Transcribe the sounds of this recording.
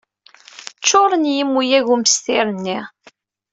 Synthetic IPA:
t͡ʃːʊɾˤənjimːujæʝuməst̪ɪɾənːi

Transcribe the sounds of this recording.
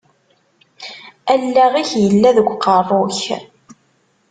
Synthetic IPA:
ælːæʁiçjəlːæðəɡʷqəɾˤoç

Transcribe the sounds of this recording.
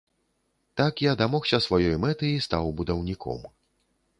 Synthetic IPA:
t̪akjad̪amɔxsʲɐsvajɔjmɛt̪ɨjist̪awbud̪ɐwnʲikʰɔ̰m

